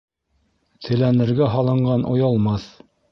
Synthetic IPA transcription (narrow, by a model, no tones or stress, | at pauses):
t̪ʰɘ̆lænɘ̆ɾɡæɦɑlˠɤ̆ɴɢɑnʔŏjɑlˠmɑθ